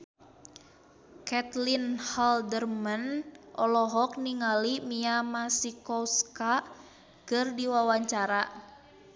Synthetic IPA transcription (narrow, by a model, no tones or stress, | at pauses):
kɛt̪linhaldərmanʔɔlɔɦɔk̚niŋalimiamasikɔska | kɨrdiwawaɲt͡ʃaɾa